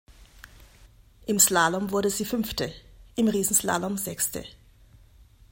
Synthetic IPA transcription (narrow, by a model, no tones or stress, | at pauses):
ʔɪmslaːlɔmvʊɐdəziːfʏmftəʔɪmʁiːsn̩sla̰ːlɔmzɛkstə̰